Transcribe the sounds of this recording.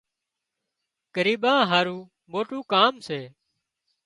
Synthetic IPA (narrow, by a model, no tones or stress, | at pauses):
kəɾiːɓãːɦaːɾũː | ɓoːʈũːkaːmseː